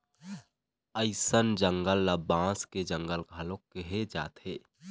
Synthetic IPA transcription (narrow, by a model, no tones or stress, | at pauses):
əɪsənd͡ʒəŋɡəlːəbãːsked͡ʒəŋɡəlɡʱalokːeɦed͡ʒa̰ːt̪ɦeː